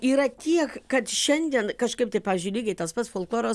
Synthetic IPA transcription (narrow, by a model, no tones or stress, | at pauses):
iːɾɐt̪ʲiɛkkɐt̪ʃʲɛnʲd̪ʲiɛnkɐʃkɐɪp̚t̪ɐɪpɑːʋʲɪzʲd͡ʒʲʊɪlʲiːɡʲɛɪtt̪ɐspɐtsfoːlˠklˠoːɾo